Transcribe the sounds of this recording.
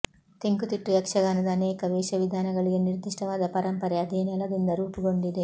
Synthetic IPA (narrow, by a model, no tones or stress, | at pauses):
t̪eŋɡut̪iʈːujɐkʂɐɡaːnɐd̪ɐːnɛːkɐʋɛːʃɐʋid̪ʱaːnɐɡɐɭiɡe̞niɾd̪iʂʈɐʋaːd̪ɐpɐɾɐmpɐɾɐɐd̪eːnɛlɐd̪ind̪ɐɾuːpiɡo̞ɳɖid̪e̞